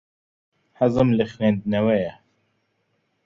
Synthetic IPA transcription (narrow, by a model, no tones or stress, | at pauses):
ħəzɨmlɨxweːnd̪nɛwɛjɛ